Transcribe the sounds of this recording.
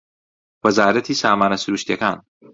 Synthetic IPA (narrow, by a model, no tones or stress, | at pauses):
wɐzaːɾɐt̪ʰiːsaːmaːnɐsuɾuːʃt̪iɐkaːn